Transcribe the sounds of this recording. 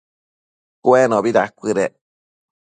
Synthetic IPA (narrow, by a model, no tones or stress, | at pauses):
kwenõbiɾakʷɨɾe